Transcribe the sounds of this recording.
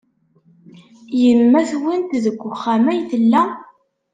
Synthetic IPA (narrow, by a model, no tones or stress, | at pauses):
jəmːæθwənt̪ðəɡʷːʊχːæmæjθəlːæ